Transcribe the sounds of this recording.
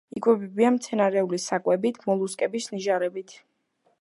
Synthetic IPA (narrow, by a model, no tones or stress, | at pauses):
ikʼwɛbɛbiamt̪sʰɛnaɾɛulisakʼwɛbit̪ʰmɔlˠuskʼɛbisniʒaɾɛbit̪ʰ